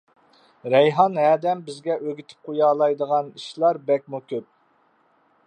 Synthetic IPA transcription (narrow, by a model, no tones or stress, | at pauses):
ɾɛjɦɑnɦæːd̪ɛmbɪzɡʲɛʔøɡʲit̪ʰɪ̥p̚qʰojɑːlˠɑjd̪əʁɑniʃlˠɑɾbɛk̚ʲmukʲøp̚